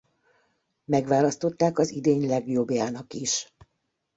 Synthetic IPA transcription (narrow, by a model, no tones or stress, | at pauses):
mɛɡʋaːlɒst̪o̞t̪ːaːkɒzid̪eːɲlɛɡjo̞bjaːnɒkiʃ